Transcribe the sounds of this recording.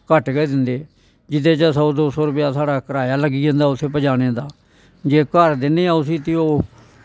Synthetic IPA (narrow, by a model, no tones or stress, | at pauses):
kəʈɡɛːd̪ɪnd̪eː | d͡ʒɪt̪ʰeːt͡ʃaːsɔd̪oːsɔːɾʊpjaːsaːɽaːkəɾaːjaːləɡiːd͡ʒə̃nd̪aːʊt̪ʰeːpəd͡ʒaːɽ̃eːd̪aː | d͡ʒeːkəɾd̪ɪneːaːʊs̬iːt̪ioː